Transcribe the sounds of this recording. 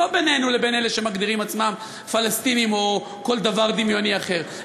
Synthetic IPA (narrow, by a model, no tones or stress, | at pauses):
obenenule̞be̞nele̞ʃe̞maɡd̪iʁimat͡smam | falast̪inimo̞ | ko̞ld̪avaʁd̪imjo̞niaχe̞ʁ